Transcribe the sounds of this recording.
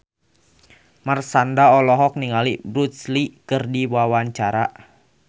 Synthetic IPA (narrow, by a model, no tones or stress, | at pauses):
marsandaɔlɔɦɔk̚niŋalibɾut̪slikɨrdiwawaɲt͡ʃaɾa